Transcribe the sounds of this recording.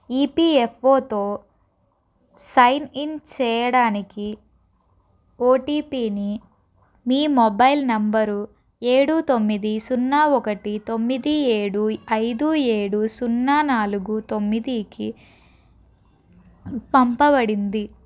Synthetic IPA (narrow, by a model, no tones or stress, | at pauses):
iːpiefʰo̞ːt̪o̞ː | sɐjnint͡ʃɛːjɐɽaːniki | oːʈiːpiːni | miːmɔbɐjlnɐmbɐɾu | e̞ːɽut̪o̞mːid̪isunːaːɔkɐʈit̪o̞mːid̪ieːɽuɐjd̪ueːɽusunːaːnaːluɡut̪o̞mːid̪iki | pɐmpɐbɐɽind̪i